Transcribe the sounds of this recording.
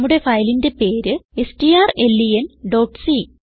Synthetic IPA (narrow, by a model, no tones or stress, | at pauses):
mːuɽe̞fɐjlinde̞pe̞ːɾɨe̞sʈijaːre̞lːijenɖoːʈsi